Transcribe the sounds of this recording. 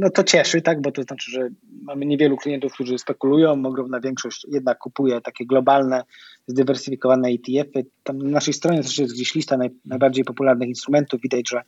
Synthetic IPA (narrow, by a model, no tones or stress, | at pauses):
nɔt̪ɔt͡ɕɛʂɘt̪aɡbɔt̪ɔznat͡ʂɘʐɛmamɘɲevʲjɛluklʲijɛnt̪ufkt̪uʐɘspɛkulujɔ̃w̃ɔɡɾɔmnavʲjɛŋkʂɔɕt͡ɕjɛd̪̚nakːupujɛt̪akʲɛɡlɔbalnɛ | zd̪ɘvɛɾsɘfʲikɔvanɛajt̪ʲiɛfɘt̪amnanaʂɛjst̪ɾɔɲɛt̪ɛʂɛjɛszɡd͡ʑeɕlʲist̪anajnajbaɾd͡ʑejpɔpulaɾnɘxinst̪ɾumɛnt̪uvvid̪ad͡ʑʐɛ